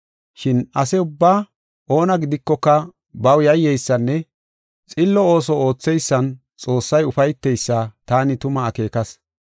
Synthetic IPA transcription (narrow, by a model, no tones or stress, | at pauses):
ʃɪnɐsɛʊbːaː | ʔo̞ːnɐɡɪd̪ɪkːɔkːɐ | bɐwjɐjːɛjsːɐnːɛ | t͡sʼɪlːɔo̞ːsɔo̞ːt͡sːɛjsːɐn | t͡sʼo̞ːsːɐjʊfɐjt̪ːɛjsːaːt̪aːnɪt̪ʊmɐːke̞ːkɐs